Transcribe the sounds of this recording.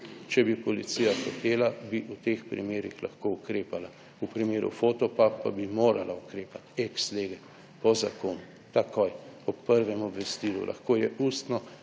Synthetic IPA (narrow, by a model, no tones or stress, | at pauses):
t͡ʃɛbipɔlitsijaxot̪eːlabiʔut̪expɾḭmeːɾixlaxkoukɾeːpala | upɾimeːɾṵfot̪ɔpapːa̰bimoːɾalaukɾeːpat̪ɛksleːɡɛ | pɔzakoːnu | t̪akojɔpːəɾʋɛmɔbʋɛst̪iːlṵlʔa̰xkoːjɛust̪nɔ